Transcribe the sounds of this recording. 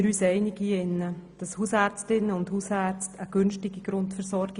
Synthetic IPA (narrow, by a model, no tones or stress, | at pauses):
ɾyːsɛɪnɪɡ̥iɪnːəd̥ɑshuːsæːɾt͡stɪnːəʊndhusæːɾt͡stʰəɡ̥ʏnʃtɪɡ̥iɡ̥ɾʊntfəɾsɔɾɡ